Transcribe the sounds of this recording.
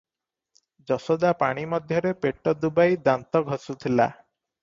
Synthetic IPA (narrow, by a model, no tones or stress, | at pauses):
d͡ʒɔsod̪apaɽ̃imɔd̪ʱjɔɾepeʈɔd̪ubajd̪ant̪ɔɡʱɔsut̪ʰila̰